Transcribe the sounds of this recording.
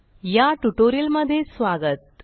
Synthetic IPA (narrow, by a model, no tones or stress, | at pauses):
jaʈuʈoɾiəlməd̪ʱːjesʋaɡət̪̚